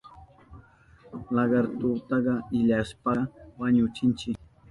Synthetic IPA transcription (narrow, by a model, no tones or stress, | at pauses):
lɑɢɑɾt̪ʊt̪ɑɢɑɪʎaspɑwaɲʊt͡ʃɪnt͡ʃɪk